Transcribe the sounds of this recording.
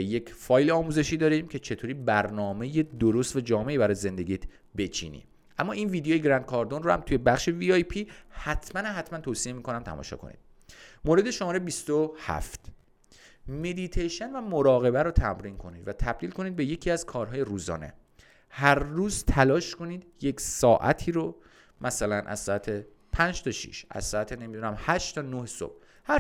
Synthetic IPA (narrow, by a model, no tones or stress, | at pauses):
je̞cʰfɒːjleɒːmuze̞ʃiːd̪ɒːɾimcʰe̞t͡ʃʰe̞t̪ʰoːɾiːbæɾnɒːme̞jed̪oɾost̪væd͡ʒɒːme̞ʔiːbæɾɒːjeze̞nd̪e̞ɡiːt̪ʰ | be̞t͡ʃʰḭːnḭ | ʔæmːɒːʔiːnviːd̪ejojeɡɾænd̪̚kʰɒɾd̪onrohæ̰mt̪ʰuje̞bæχʃeviɒjpʰihæt̪ʰmænæɦæt̪mænt̪ʰoːsie̞miːkʰo̞næmt̪ʰæ̰mɒ̰ːʃɒ̰ːkʰo̞̰nḭːd̪̥ | moɾe̞d̪e̞ʃomɒːɾebist̪ohæ̰ft̪ʰ | me̞d̪it̪ʰejʃenvæmoɾɒːɣe̞bæɾot̪ʰæmɾiːnkʰo̞niːd̪væt̪ʰæb̚d̪iːlkʰo̞niːd̪̚be̞je̞cʰiːæz̥kʰɒːɾɦɒːje̞ɾuːzɒ̰ːne̞̰ | hæɾːuːzt̪ʰælɒːʃko̞niːd̪je̞ksɒːʔæ̰t̪ʰiːɾo | mʔæsælænʔæ̰z̥sɒːæt̪ʰe | pʰænd͡ʒt̪ʰɒʃḭʃæ̰z̥sɒːæt̪ʰenemid̪unæmhæʃt̪ʰɒːnoheso̰b̥̚ | hæ